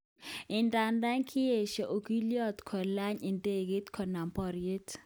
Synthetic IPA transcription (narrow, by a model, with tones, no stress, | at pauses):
ɪ˨nda˨nda˦ɲkʰɪ˦je˨ʃɔ˨ʔo˨ki˦ljɔ˦t̪kʰɔ˨la˦ɲɪ˨nde˦˨ɡe˦t̪kʰɔ˨na˨mpɔ˨ɾie˦t